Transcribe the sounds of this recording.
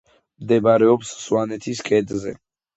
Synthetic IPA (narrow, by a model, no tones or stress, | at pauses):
md̪ɛbaɾɛɔpsswanɛt̪ʰiskʼɛd̪zɛ̰